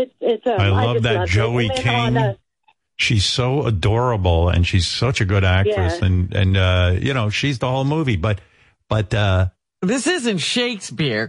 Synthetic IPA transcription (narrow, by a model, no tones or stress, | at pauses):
ɪaɪlʌvðɨt̚d̥ʒ̥oʊikʰɪ̃ŋ | ʃiz̥soʊədɔɹəbl̩ˠɨ̰̃nʃiz̥sʌt͡ʃɨɡʊɾæk̚tɹ̥ɨsɨ̃nɨ̰̃nʌjɨ̰ñoʊʃizðəhoʊlˠmuvibʌt̚ | b̥ʌtʌ | ðɪsɪzɨ̃nʃeɪkspɪɹ